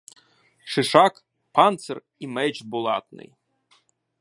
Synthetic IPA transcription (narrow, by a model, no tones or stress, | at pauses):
ʃɪʃɑk | pɑnt̪sɛr | imɛt͡ʃbʊlˠɑ̰t̪nɪ̰j